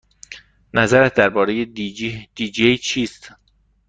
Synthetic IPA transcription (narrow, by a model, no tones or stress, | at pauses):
næzæɾæt̪̚ʰd̪æɾbɒːɾe̞jed̪̥iːd͡ʒejt͡ʃʰiːst̪